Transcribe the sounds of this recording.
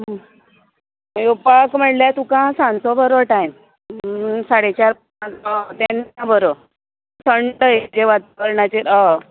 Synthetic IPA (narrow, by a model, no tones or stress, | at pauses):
jopakm̤əɽljat̪ũkãsãnt͡sɔbʱəɾɔʈajm | saɽet͡ɕaɾp | ãɔt̪enabʱəɾɔ | səɳʈəjed͡ʑeʋat̪akəɾɳat͡ɕeɾa